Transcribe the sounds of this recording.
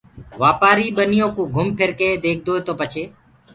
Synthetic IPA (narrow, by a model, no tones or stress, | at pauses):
ʋaːpaːɾiːɓənɪjõːkũːɡʱʊmpʰɪɾkeːd̪eːk̚ʰd̪oːet̪oːpət͡ʃʰeː